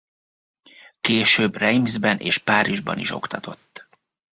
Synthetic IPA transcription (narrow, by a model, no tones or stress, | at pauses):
keːʃøːbrɛjmzbɛnʔḛːʃpaːɾiʒbɒ̰niʃo̞̰kt̪ɒt̪ʰo̞t̪ː